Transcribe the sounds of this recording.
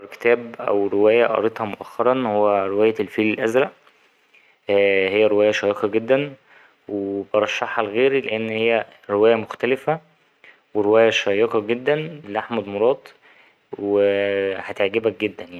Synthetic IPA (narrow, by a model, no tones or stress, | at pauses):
ke̥t̪æːbʔæ̰wɾewæːjæʔɑ̰ɾˤet̪ˤhɑmoʔæxːɑɾˤɑnhowːæɾewæːjælfiːlelʔæzɾæʔ | hejːæɾewæːjæʃɑːjeqɑɡed̪ːæn | webɑɾˤɑʃːɑħhɑlɣeːɾileʔenːhejːæ | ɾewæːjæmoxt̪ælefæ | weɾewæːjæʃɑjːeqɑɡed̪ːænlʔaħmæd̪moɾˤɑːt̪ˤ | wehæt̪eʕɡebæk̚ɡed̪ːænja